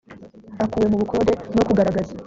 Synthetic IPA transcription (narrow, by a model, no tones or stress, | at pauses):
akuwe̞muβukʰo̞ːɾe̞no̞kuɡaɾaɡaza